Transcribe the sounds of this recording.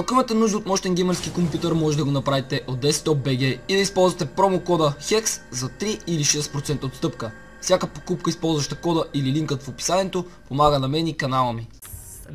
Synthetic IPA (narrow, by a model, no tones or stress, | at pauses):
ɐakʊimət̪ɛnuʒd̪əot̪mɔʃt̪ɛŋɡʲɛməɾskʲikompʲjut̪ɛɾmɔʒɛt̪d̪ɐɡonɐpɾavit̪ɛʔod̪ːɛst̪ɔp̚bɛɡʲɛid̪ɐispɔlˠzvɐt̪ɛpɾɔmokɔd̪əxɛkszɐt̪ɾiiliʃɛspɾot̪sɛnt̪əot̪st̪ɤpkə | fsjakəpo̥kupkəispɔlˠzvɐʃt̪ɐkɔd̪əʔililiŋkət̪fopi̥saniɛt̪o | pomaɡənɐmɛnʲikɐnalˠəmi